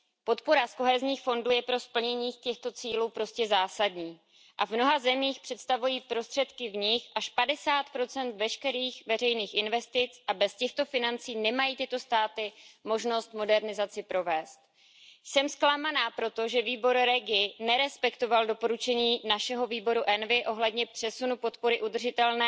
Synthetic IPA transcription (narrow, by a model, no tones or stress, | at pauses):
po̞t̪po̞ɾasko̞ɦɛzɲiːxfo̞nduːjɛpɾo̞spl̩ɲɛɲiːxcɛxt̪o̞t͡siːluːpɾo̞scɛzaːsadɲiː | ʔavmno̞ɦazɛmiːxpr̝̥ɛt̪st̪avujiːpɾo̞st̪r̝̥ɛt̪kɪvɲɪxʔaʃpadɛsaːt̪pɾo̞t͡sɛnt̪vɛʃkɛɾiːxvɛr̝ɛjniːxʔɪnvɛst̪ɪt͡sʔabɛscɛxt̪o̞fɪnant͡siːnɛmajiːt̪ɪt̪o̞st̪aːt̪ɪmo̞ʒno̞st̪mo̞dɛɾnɪzat͡sɪpɾo̞vɛːst̪ | jsɛmsklamanaːpɾo̞t̪o̞ʒɛviːbo̞ɾɾɛɡɪnɛɾɛspɛkt̪o̞valdo̞po̞ɾut͡ʃɛɲiːnaʃɛɦo̞viːbo̞ɾuʔɛnvɪʔo̞ɦlɛdɲɛpr̥ɛsunupo̞t̪po̞ɾɪʔud̪r̩ʒɪt̪ɛlnɛː